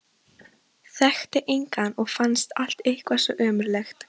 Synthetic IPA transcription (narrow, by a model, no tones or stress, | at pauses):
θɛxt̪ɪʔejŋkanɔɣfanst̪al̥t̪ehkvasɔʔœːmʏɾlɛxt̪